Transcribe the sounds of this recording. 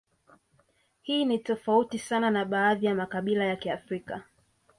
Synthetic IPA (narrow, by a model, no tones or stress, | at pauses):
hiːnitɔfautisananaɓaːðijamakaɓilajakiafɾika